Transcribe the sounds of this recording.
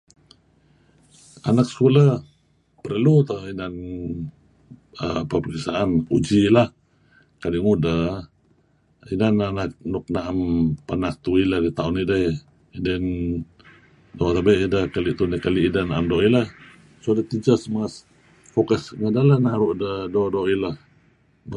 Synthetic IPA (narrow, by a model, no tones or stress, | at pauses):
a̰nak̚sə̥kulə | pəɾlut̪əinan | əpəpəkisaʔanṵd͡ʒilah | kaliʔŋudə | inananak̚nuk̚naʔampanak̚t̪uiladit̪aunidəj | idən | dot̪abəʔidəhkaliʔt̪unikaliʔidənaʔamdɔʔilah | sodət̪id͡ʒəsmas | fokəsŋədalanaɾuʔdədodoʔilah